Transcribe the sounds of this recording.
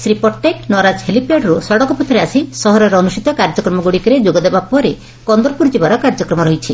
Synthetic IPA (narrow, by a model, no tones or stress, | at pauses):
sɾipɔʈːeknɔɾad͡ʒhelipaɽɾusɔɽɔkɔpɔt̪ːɾeasisɔɦɔɾɔɾɔːnusʈit̪ɔkaɾd͡ʒɔkɾɔmɔɡuɽikɔɾed͡ʒoɡɔd̪ebapɔɾe | kɔnd̪ɔɾpuɾd͡ʒibaɾɔkaɾd͡ʒɔkɾɔmɔɾɔɦit͡ʃʰi